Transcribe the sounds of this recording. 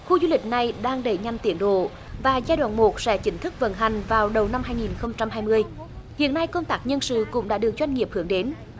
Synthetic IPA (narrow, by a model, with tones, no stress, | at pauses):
xu˧zu˧lï˨˩k̟̚na˨˩jɗaː˧ŋɗə˧˩ɲa˧mt̪i˧˩ənɗo̰˧˨ | vaː˨˩zaː˧jɗwa̰ː˧˨nmo˨˩t̚sɛ̰˧˥t͡ɕï˨˦ŋ̟t̪ʰɨ˦˥k̚və̰˧˦nɦa˨˩ŋ̟vaː˨˩wɗə˨˩wna˧mɦaː˧jŋi˨˩nxə˧wŋ͡mt͡ɕa˧mɦaː˧jmɨ˧əj | hḭ˧˨ənːa˧jkə˧wŋ͡mt̪aː˦˥k̚ɲə˧nsɨ̰˧˨kʊ̰˧˥ŋ͡mɗa̰ː˧˥ɗɨ˨˩ək̚t͡ɕwa˧jŋ̟ŋi˨˩əp̚hɨ˨˧˩əŋɗe˨˦n